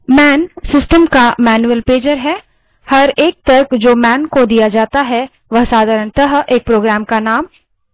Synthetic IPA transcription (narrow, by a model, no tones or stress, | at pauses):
mɛːnsɪsʈəmkamɛːnuəlpeːd͡ʒəɾɦɛː | hɐɾeːk̚t̪ɐɾkd͡ʒoːmɛːnkod̪ijad͡ʒaːt̪aɦɛ | ʋɐɦsaːd̪ʱaːɾəɳt̪əɦeːk̚pɾoːɡɾaːmkanaːm